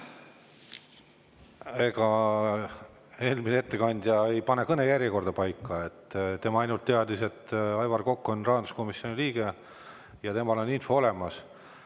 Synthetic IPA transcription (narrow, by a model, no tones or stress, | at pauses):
e̞ɡ̥ɑ | e̞ːlminee̞t̪ːe̞kɑnʲd̪̥ʲjɑejpɑnekɤne̞jæɾjeko̞rd̪̥ɑpɑjkˑːɑet̪ːˑt̪e̞mɑɑjnult̪ːeɑd̪ise̞t̪ːɑjvɑrko̞kːuonrɑːɑnd̪u̥sko̞misio̞nʲiliːɡ̥e̞ | jɑt̪e̞mɑlo̞nːinfo̞o̞lemɑs